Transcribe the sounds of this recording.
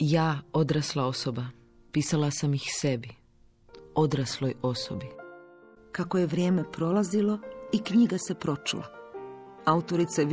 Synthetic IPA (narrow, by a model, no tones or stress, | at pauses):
jaːo̞d̪ɾaslˠao̞soba | piːsalasamixsebi | o̞d̪ɾaslˠojo̞so̰bi | kakoje̞ʋɾjeːme̞pɾo̞lazilo̞ikɲiɡase̞pɾo̞t͡ʃṵla̰ | aut̪o̞ɾit̪sa